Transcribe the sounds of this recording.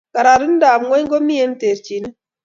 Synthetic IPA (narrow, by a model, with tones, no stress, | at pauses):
ka˨ɾa˨ɾɨ˦n̩˦da˨mŋɔ˦ɲɡo˦mi˦e˦n˦te˨ɾt͡ʃi˨ni˦